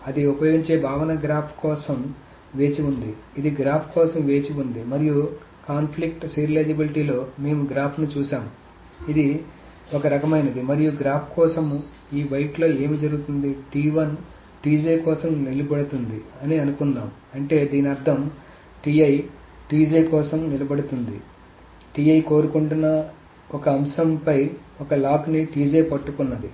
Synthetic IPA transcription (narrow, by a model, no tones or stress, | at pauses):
ɐd̪iupɐjo̞ːɡiɲt͡ʃe̞ːbʱaːʋɐnɐɡɾaːpʰkɔːsɐm | ʋe̞ːt͡ʃiund̪iːd̪iɡɾaːpʰkɔːsɐmʋe̞ːt͡ʃiund̪imɐɾiju | kaːnpʰlik̚ʈsiːɾileːd͡ʒɐbiliʈiːlo̞ːme̞ːmuɡɾaːpʰnut͡ʃuːʃaːmu | id̪i | ɔkɐɾɐkɐmɐjnɐd̪imɐɾijuɡɾaːpʰkɔːsɐm | iːʋɐjʈlo̞ːe̞ːmiːd͡ʒɐɾuɡut̪und̪iʈiːʋɐn | ʈiːd͡ʒejkɔːsɐmnilɐbɐɽut̪und̪iɐniɐnukunːaːm | ɐɳʈe̞ːd̪iːniɐɾd̪ʱɐm | ʈiːɐj | ʈiːd͡ʒeːkɔːsɐmnilɐbɐɽut̪und̪ḭ | ʈiːɐjko̞ːɾukuɳʈunːɐ | ɔkɐːmʃɐmpɐj | ɔkɐlaːkniʈiːd͡ʒeːpɐʈːukunːɐd̪i